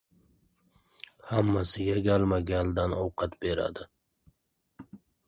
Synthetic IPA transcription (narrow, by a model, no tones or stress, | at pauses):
hamːasɪɡʲaɡʲalmaɡʲald̪anowqɑt̪beɾa̰d̪ɪ